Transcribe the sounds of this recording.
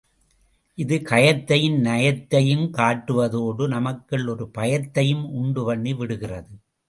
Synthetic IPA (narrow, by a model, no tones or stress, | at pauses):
ʔɪðɯkɐjɐt̪ːɐjɪnnɐjɐt̪ːɐjɯmkaːʈːɯʋɐðoːɽɯnɐmɐkːɪɭɔɾɯpɐjɐt̪ːɐjɯmʊɳɖɯʋɐɳːiʋɪɽɯɣɪrɐðɯ